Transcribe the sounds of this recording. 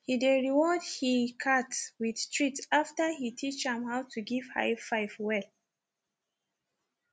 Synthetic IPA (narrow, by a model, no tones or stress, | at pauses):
hideɹiwɔdhikʰatwid̥tʰɹitaftə˞hitʰit͡ʃɛ̃mhawtʰuɡiv̥ha̰ɪfaɪfwɛl